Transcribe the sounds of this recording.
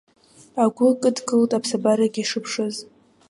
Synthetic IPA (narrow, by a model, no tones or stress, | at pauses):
aɡʷʊkʼɨdkʼɨltʼapʰsabaɾaɡʲiʂɨpʰʂɨz